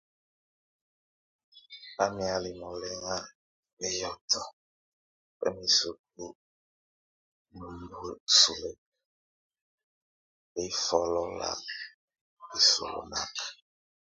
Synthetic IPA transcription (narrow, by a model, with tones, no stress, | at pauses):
a˦mi˨a˨li˨mɔ˨lɛ˦ŋa˦ | e˦jɔ˦tʰɔ˦ | pɛ̰˦mi˨su˨k̚u˦ | mu˨bu˦˨su˨le˨ | e˦i˦fɔ˨lɔ˦la̰˨ | i˨so̰˨lo̰˨na˦k